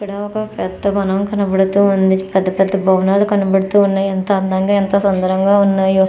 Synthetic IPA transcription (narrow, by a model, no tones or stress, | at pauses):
pːɐɽaːɔkɐpɛt̪ːɐbɐnɐmkɐnɐbɐɽɐt̪uːɐnd̪ipɐd̪ɐpɐd̪ːɐbʱɐwnaːlukɐnɐbɐɽut̪uːunːaːjɐnt̪ɐɐnd̪ɐŋɡaent̪ɐsɐnd̪ɐɾɐŋɡaːunːaːju